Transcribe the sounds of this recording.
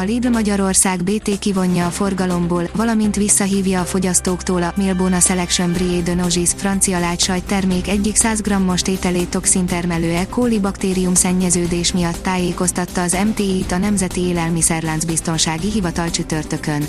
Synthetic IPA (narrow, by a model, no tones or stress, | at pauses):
ɒliːbrmɒɟɒɾo̞rssaːɡbeːt̪eːkivo̞ɲːɒːfo̞rɡɒlo̞mboːlvɒlɒmint̪ʋisːɒɦiːvjɒːfo̞ɟɒst̪oːkt̪oːlɒmilboːnɒsɛlɛkʃømbrieːd̪øno̞ʒisfrɒnt̪sijɒlaːcʃɒjt̪ɛrmeːkɛɟːiksaːzɡrɒmːo̞ʃt̪eːt̪ɛleːt̪o̞ksint̪ɛrmɛløːɛkoːlibɒkt̪eːɾijumsɛɲːɛzøːd̪eːʃmijɒt̪ːaːjeːko̞st̪ɒt̪ːɒːzɛmt̪eːit̪ɒnɛmzɛt̪ieːlɛlmisɛrlaːnzbist̪o̞nʃaːɡiɦivɒt̪ɒlt͡ʃyt̪ø̞rt̪ø̞køn